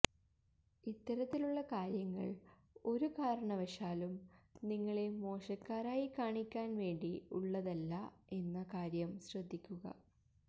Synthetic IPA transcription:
it̪ːɐɾɐt̪ːiluɭːɐkaːɾjɐŋːɐ̰ɭ | o̞ɾukaːɾɐɳɐʋɐʂaːlumniŋːɐɭe̞mo̞ːʂɐkːaːɾaːjikaːɳikʲːaːnʋe̞ːɳɖiṵɭːɐðɐlːɐe̞nːɐkaːɾjɐmɕrɐd̪ʱːikʲːuɣɐ̰

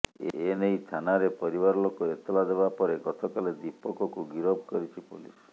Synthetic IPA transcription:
ḛenejt̪ʰanaɾepɔɾibaɾɔlokoet̪ɔlad̪ebapɔɾekɔt̪ʰɔkaled̪ipɔkɔkuɡiɾɔbkɔɾit͡ʃʰipṵlḭs

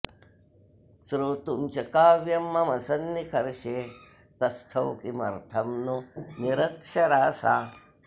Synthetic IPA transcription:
sɾuːt̪umt͡ʃɐkaːʋjɐmːɐmɐsɐnːikʰɐɾʃeː | t̪ɐst̪ʰɐwkimɐ̰ɾt̪ʰɐmnuniɾɐkʂɐɾaːsa̰ː

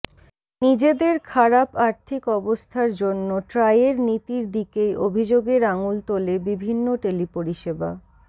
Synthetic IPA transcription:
nid͡ʑed̪eɾkʰaɾapaɾt̪ʰikɔbost̪ʰaɾd͡ʑonːoʈɾajeɾnit̪iɾd̪ikejʔobʱid͡ʑoɡeɾaŋult̪olebibʱinːoʈelipoɾiʃeba̰

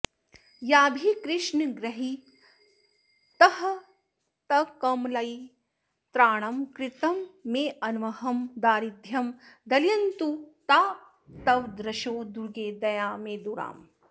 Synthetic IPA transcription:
jaːbʱikɾɪʃɳɡɾɐɦi | t̪ɐɦɐ | t̪ɐkɐmlɐj | t̪ɾaːɳ̃ɐmkɾɪt̪ɐmːeːʔɐnʋɐɦɐmd̪aːɾid̪ʱjɐmd̪ɐljɐnt̪ut̪aː | t̪ɐwd̪ɾɐʃoːd̪uɾɡeːd̪ɐjaːmeːd̪uɾa̰ːm

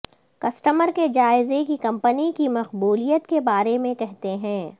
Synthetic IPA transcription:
kɐsʈəməɾked͡ʒaːɪzekikɐ̃mpənikimɐqbuːlijət̪kebaːɾemẽkɛɦt̪eɦɛ̃ː

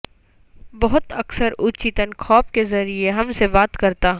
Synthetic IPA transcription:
bɐɦʊt̪ɐksəɾʊt͡ʃit̪ənxʰɔːp̚kezɐɾieɦɐmsebaːt̪kɐɾt̪aɦ

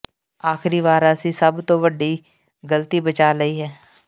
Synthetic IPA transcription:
aːxɾiʋaːɾasisɐbt̪oʋəɖi | ɡələt̪ibət͡ʃaːɾɐiɦɛː

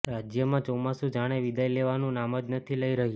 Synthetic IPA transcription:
ɾad͡ʒjəmãt͡ʃɔmasũd͡ʒaɽ̃eʋid̪ajleʋanũnaməd͡ʒ̪nət̪ʰiləiɾəɦi

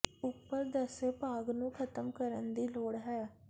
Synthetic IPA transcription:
ʊpːəɾd̪əseːpaːɡnũːkʰət̪əmkəɾənd̪iːloːɽɦɛː

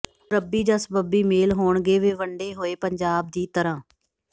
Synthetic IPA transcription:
ɾəbːiːd͡ʒəsbəbiːmeːlɦoːɳɡeːʋeːʋəɳɖeːɦoːeːpəɲd͡ʒaːb̚d̪iːt̪əɾãː

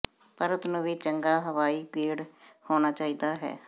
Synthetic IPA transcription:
pəɾət̪nũːʋiːt͡ʃəŋɡaːɦəʋaːiːkiːɽhoːnaːt͡ʃaːiːd̪aːɦɛ̰ː

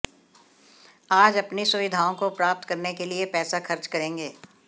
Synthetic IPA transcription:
aːd͡ʒɐpnisʊʋɪd̪ʱaːõkopɾaːp̚t̪kɐɾnekeliepɛːsaxɐɾt͡ʃkɐɾẽːŋɡeː

